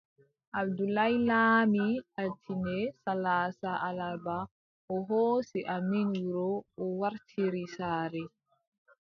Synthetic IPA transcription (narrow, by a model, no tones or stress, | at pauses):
ʔab̚dulajlaːmiatʰinɛsalaːsaʔalaba | ʔɔɦoːsiʔaminɾɔːwaɾtʰiɾisaːɾɛ